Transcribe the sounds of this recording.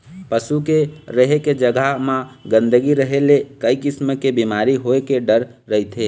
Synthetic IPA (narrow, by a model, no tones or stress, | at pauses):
pəsukeɾəɦeked͡ʒəɡaɦmãɡə̃nd̪əɡiɾəɦelekəikɪsməkebimaɾiɦoekeɖəɾ | ɾəɦit̪ʰɦe